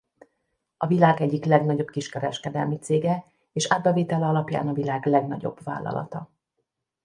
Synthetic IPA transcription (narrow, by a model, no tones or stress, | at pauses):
ɒvilaːɡɛɟːiklɛɡnɒɟo̞bkiʃkɛɾɛ̰ʃkɛd̪ɛlmit̪seːɡɛ | eːʃaːd̪̚bɛveːt̪ɛlɛɒlɒpja̰ːnɒvilaːɡlɛɡnɒɟo̞̰bva̰ːlɒ̰lɒ̰t̪ɒ